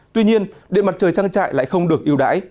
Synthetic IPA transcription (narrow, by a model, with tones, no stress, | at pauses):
t̪wi˧ɲi˧ənɗḭ˧˨ənma˨˩t̚t͡ɕəː˨˩jt͡ɕaː˧ŋt͡ɕa̰ː˧˨jla̰ː˧˨jxə˧wŋ͡mɗɨ˨˩ək̚ʔi˧əwɗa̰ː˧˥j